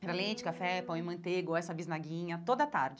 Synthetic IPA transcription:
pɾalẽt͡ʃɪ̥kafɛpɐ̃w̃ɪ̃mɐ̃nt̪eɡʊɛsɐbiznaɡĩɲɐt̪od̪ɐt̪a̰ɾd͡ʒɪ

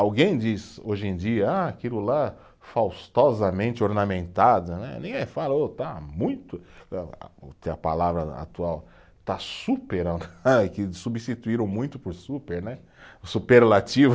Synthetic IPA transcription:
awɡẽj̃d͡ʒisoʒẽd͡ʒiɐaakilʊla | fawst̪ɔzɐmẽnt͡ʃɪoɾnamẽnt̪ad̪ɐnɛ̰nẽj̃ɡɛ̃falɐot̪amũj̃t̪ʊ̰ | ʊ̰t̪eɐpalavɾɐa̰t̪uaw | t̪asupeɾɐ̃d̪akɪsubist͡ʃit̪uiɾɐ̃w̃mũj̃t̪ʊpʊɾsupeɾnɛ | supeɾlat͡ʃiv

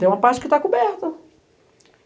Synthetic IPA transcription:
ẽj̃ũmɐpaɾt͡ʃɪ̥kɪt̪akubɛɾt̪ɐ

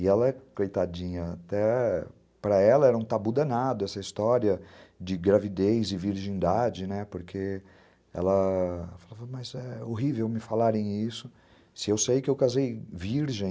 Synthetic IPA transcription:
ɪɛlɐɛkejt̪ad͡ʒĩɲɐat̪ɛ | pɾɐɛlɐɛɾɐũt̪abud̪ɐnad̪ʊɛsɐist̪ɔɾiɐd͡ʒɪɡɾavid̪ejzɪviɾʒĩnd̪ad͡ʒɪnɛpoɾkʰe | ɛ̰lɐfalavɐmɐzɛoɦivewmɪfalaɾẽj̃isʊ | sɪewsejkɪewkazejviɾʒẽ

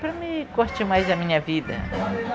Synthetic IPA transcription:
pɾɐmɪkoɾt͡ʃimajzd̪ɐmĩɲɐvid̪ɐ̰

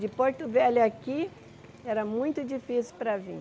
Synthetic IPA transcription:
d͡ʒɪpoɾt̪ʊvɛlaki | ɛɾɐmũj̃t̪ʊd͡ʒifisʊpɾɐvḭ̃

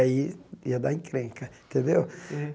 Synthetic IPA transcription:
aiḭɐd̪aĩkɾẽŋkɐẽt̪ẽnd̪ew

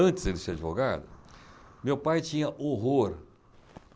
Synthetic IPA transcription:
ɐ̃nt͡ʃɪzd̪elɪseɾad͡ʒivoɡa̰d̪ʊ | mewpajt͡ʃĩɲɐʔoɦoɾ

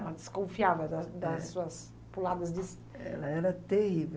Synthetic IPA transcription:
ɛlɐd̪ɪskõfiavɐd̪ɐd̪ɐsuɐs | pulad̪ɐzd̪is | ɛ̰lɐɛɾɐt̪ehive

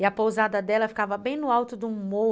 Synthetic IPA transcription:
ɪɐpowzad̪ɐd̪ɛlɐfi̥kavɐbẽj̃nʊawt̪ʊd̪ʊmo

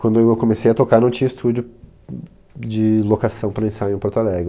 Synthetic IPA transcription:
kwɐ̃nd̪ʊeewkõmesejɐt̪okaɾnɐ̃w̃t͡ʃĩɲɐist̪ʰud͡ʒʊ | d͡ʒɪlokasɐ̃w̃pɾɐẽsãpoɾt̪alɛɡɾɪ

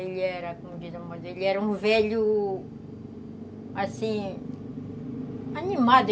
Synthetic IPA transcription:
eʎɛɾɐkomʊkizɐmɐzeʎiɛɾɐũvɛʎʊ | asĩ | animad̪

